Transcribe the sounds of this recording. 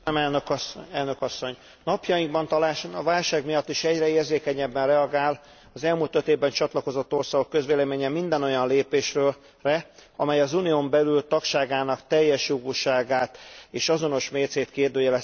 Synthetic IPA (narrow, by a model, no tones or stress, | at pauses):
ɛmɛlnøkːɛlnøkɒsːo̞ɲ | nɒpjɒjiŋɡbɒnt̪ɒlaːʃonɒvaːlʃaːɡmijɒt̪ːiʃɛɟrɛeːrzeːkɛɲɛbːɛnrɛɒɡaːl | ɒzɛlmult̪øt̪eːvbɛnt͡ʃɒt̪lɒko̞zot̪ːo̞rsaːɡo̞kːø̞zʋeːlɛmeːɲɛmind̪ɛno̞jɒnleːpeːʃrøː | rɛɒmɛjɒzuniombɛlylt̪ɒkʃaːɡaːnɒkt̪ɛjːɛʃjoɡuʃaːɡaːt̪eːʃɒzo̞no̞ʃmeːt̪seːt̪keːrd̪øːjɛlɛ